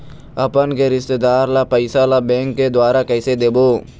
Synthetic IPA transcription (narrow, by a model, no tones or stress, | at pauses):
ɐpənkeɾɪst̪ed̪aːɾlapɐɪsalabɛ̃ːŋkːed̪waːɾakɛːsed̪eːboː